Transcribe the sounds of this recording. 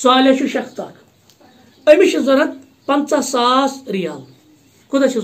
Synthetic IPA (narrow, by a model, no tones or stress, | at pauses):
saːlʲaʃuʃɐxt̪a̰ːk | ɐmiʃizoɾɐt̪̚ | pɐnt͡sasaːsɾijaːl | kud̪ɐt͡ʃʰi